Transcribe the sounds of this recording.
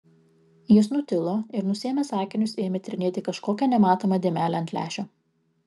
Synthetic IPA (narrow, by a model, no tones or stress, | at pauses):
jɪsnʊt̪ʲɪlˠoːɪɾnʊsʲeːmʲɛsɑːkʲɪnʲʊseːmʲɛt̪ʲɾʲɪnʲeːt̪ʲɪkɐʃkoːkʲɛnʲɛmɑːt̪oːmɐd̪ʲeːmʲæːlʲɛɐnʲt̪ʲlʲæ̰ːʃʲoː